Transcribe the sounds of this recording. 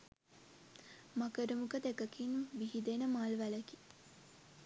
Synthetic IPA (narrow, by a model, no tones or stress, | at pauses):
makəɾəmukəd̪ekəkinʋiɦid̪enəmaːlʋæləki